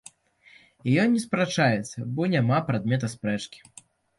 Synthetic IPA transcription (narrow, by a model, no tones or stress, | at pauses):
ijɔːɛspɾat͡ʂajɛt̪sːɐbɔnʲamapɾad̪mʲɛt̪ɐspɾɛt͡ʂkʲi̥